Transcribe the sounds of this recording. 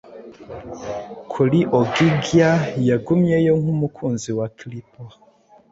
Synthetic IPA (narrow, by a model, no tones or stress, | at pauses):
kʰuliʔoɡiɡjajaɡumjejoŋ̥humukʰuːnziwakilipo